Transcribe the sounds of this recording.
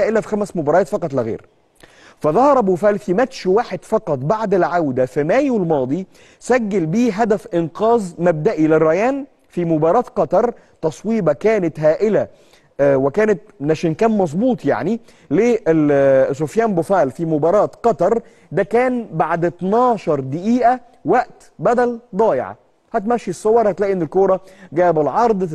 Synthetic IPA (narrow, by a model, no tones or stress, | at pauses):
æːʔɪlæfixæmæsmʊbɑːɾˤɑɑːt̪fɑqɑt̪ˤlɪɣḛːɾ | fæðˤɑhɑɾˤbufæːlfimæt̪ʃwaːħed̪fɑqɑt̪ˤbaʕd̪ɪlʕawd̪æfimæːjwɪlmɑːd̪ˤi | sæɡːælbiːɦæd̪æfʔɪnqɑːzˤmæb̚d̪æʔilɪrːɑjæːn | fimʊbɑːɾˤɑːt̪qɑt̪ɑɾˤ | t̪ɑsˤwiːbɑkæːnɪt̪ɦæːʔɪlæ | wɪkæːnɪt̪̚næʃiːnkæːnmɑzˤbuːt̪ˤja̰ʕni | leʔsofjæːmbofæːlfimobɑːɾˤɑːt̪qɑt̪ɑɾˤ | d̪ækæːnbaʕd̪t̪nɑːʃɑɾˤd̪ɪʔiːʔæ | wæʔt̪ | bæd̪æld̪ˤɑːjḛʕɑ̰ | hæt̪mæʃːisˤːowːɑɾˤhæt̪læːʔinːɪlkoːɾˤɑɡæːbɪlʕɑɾˤd̪ˤ